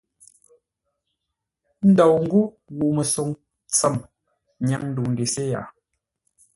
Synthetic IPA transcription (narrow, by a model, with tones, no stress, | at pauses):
n̩˦dɔ˨wŋ̩˦ɡu˦ | ɣu˨ʔmə˨so˨ŋ | t͡sə˦˨m | ɲa˦ŋn̩˦du˨ŋ̩˨ɡe˨se˦ja̰˨